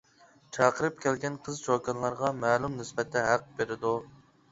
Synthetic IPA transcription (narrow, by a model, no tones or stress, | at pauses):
t͡ʃʰɑːqəɾɨp̚kʲɛlɡʲɛnqʰəzt͡ʃokɑnlˠɑɾʁɑmæːlˠumnɪsbɛt̪ʰːɛɦæq̚beɾɪd̪u